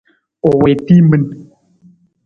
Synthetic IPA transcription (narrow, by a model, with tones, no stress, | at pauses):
ɔ˨wɛ˨ti˦mə˦n